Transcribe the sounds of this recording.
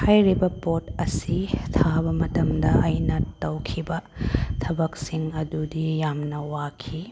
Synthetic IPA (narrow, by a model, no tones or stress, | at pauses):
hajɾibɐpotɐsitʰabɐmɐtɐmdɐʔɐjnɐtɐwkʰibɐtʰɐbɐk̚siŋɐdudijamnɐwakʰi